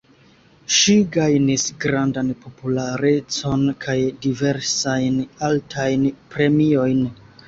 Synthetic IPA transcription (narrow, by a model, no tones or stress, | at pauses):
ʃiɡajnisɡɾandanpo̞pulaɾe̞t͡so̞nkʰajdive̞ɾsajnaltʰajnpɾe̞mio̞jn